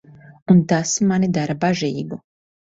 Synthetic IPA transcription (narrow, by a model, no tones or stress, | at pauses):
unt̪asmanid̪aɾabaʒiːɡu